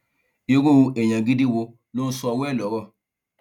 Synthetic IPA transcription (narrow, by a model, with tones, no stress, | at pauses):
i˧ɾu˦˧ɛ˨j̃ã˨ɡi˦di˦wo˧ | lo˦n̩˦sɔ˧wɛ˦˨lɔ˨˦ɾɔ˦˨